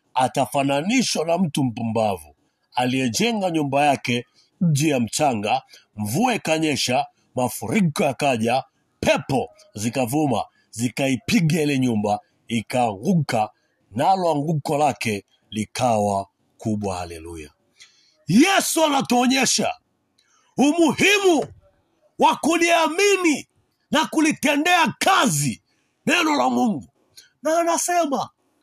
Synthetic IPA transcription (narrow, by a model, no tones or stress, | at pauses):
atafananiʃwanam̩tum̩pumbavu | alijɛd͡ʒɛŋɡaɲumbajakɛ | d͡ʒijam̩t͡ʃaŋɡaɱvuaikaɲɛʃa | mafuɾikɔjakaʄa | pʰɛpɔ | zikavuma̰ | zikaipiɡailɛɲumba | ikaŋɡuka | nalwaŋɡukɔlakɛ | likʰawa | kʰuɓwaha̰lɛluja̰ | jɛsuanatuɔɲɛʃa̰ | umuhimu | wakuliamini | nakulitɛndɛakazi | nɛnɔlamuŋɡu | naːnasɛma